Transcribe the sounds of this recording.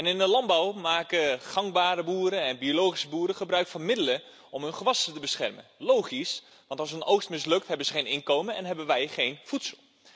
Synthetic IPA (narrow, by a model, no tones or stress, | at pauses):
ɛnɪndəlɑnbawmaːkəχɑŋbaːɾəbuːɾənɛnbiolowχisəbuːɾəχəbrœɥkfɑnmɪdələ | ɔmɦɵnχəʋɑsətəbəsχɛ̰rmə̰nlowχis | ʋɑ̃ntɑlˠsɦənowxstmɪs̬lɵk̚tɦɛbənzəχejnɪnkowmənɛ̰nɦɛbənʋɛjχejnfutsəlˠ